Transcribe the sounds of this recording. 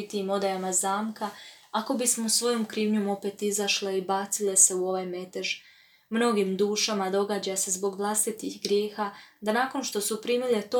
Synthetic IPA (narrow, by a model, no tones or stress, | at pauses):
it̪imo̞d̪ajamazaːmkaako̞bismousʋo̞jo̞mkɾiːʋɲomo̞pe̞ːt̪izaʃleibaːt̪sile̞se̞uo̞ʋajme̞t̪eʒ | mno̞ɡimd̪uːʃamad̪o̞ɡaːd͡ʑase̞zbo̞ɡʋlˠast̪it̪ihɡɾje̞ːxad̪anaːko̞nʃt̪o̞supɾiːmile̞t̪o